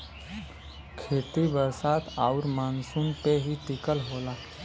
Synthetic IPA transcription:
kʰeːt̪ibəɾsaːt̪aʊɾmaːnsunpeɦiʈ̪ɪkəlɦoːlaː

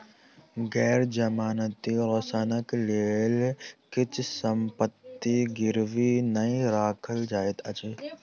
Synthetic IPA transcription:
ɡɛːɾd͡ʒɐmaːnət̪iɾɐsaːnəkleːlkɪt͡ʃʰsəmpət̪ːiɡɪɾʋinɐĩɾaːkʰəld͡ʒaːet̪ʰɐt͡ʃeː

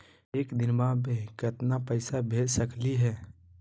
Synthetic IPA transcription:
eːkd̪ɪnmãbekət̪napəɪsabʱeːd͡ʒsəkliɦɛː

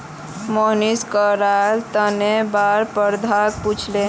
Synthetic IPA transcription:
moniskəɾalt̪ənebaɾpəɾd̪ʱak̚put͡ʃʰle

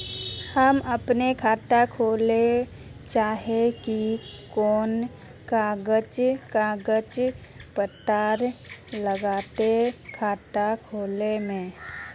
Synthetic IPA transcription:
həməpnekʰaːʈakʰoːle | t͡ʃaːɦekikoːn | kaːɡət͡ʃkaɡət͡ʃpət̪aːɾləɡaːt̪ekʰaːʈakʰoːlemẽː

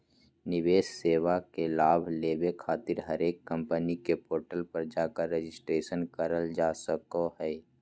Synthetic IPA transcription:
nɪʋeːsseːʋakelaːbʱleːʋekʰaːt̪ɪɾɦəɾeːkːə̃mpənikepoːɾʈəlpəɾd͡ʒakaɾed͡ʒɪsʈɾeːʃənkəɾəld͡ʒaːsəkoɦɛː

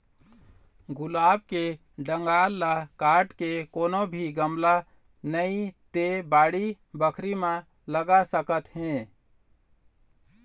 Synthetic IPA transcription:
ɡʊlaːb̚ke | ɖə̃ŋɡaːlːakaːɾʈkekoːnobʱiɡəmla | nəĩt̪ebaːɽi | bəkʰɾimã | ləɡasəkət̪ɦɛ̃ː

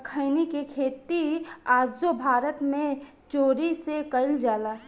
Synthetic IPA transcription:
kʰəɪnikekʰeːt̪iaːd͡ʒd͡ʒobʱaːɾət̪mẽ | t͡ʃoːɾisekəɪld͡ʒaːlaː

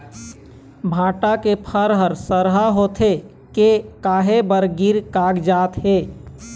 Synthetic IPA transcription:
bʱãːʈakepʰəɾɦəɾsəɾɦaɦot̪ʰe | kekaːɦebəɾɡiɾkaːɡd͡ʒaːt̪ɦeː

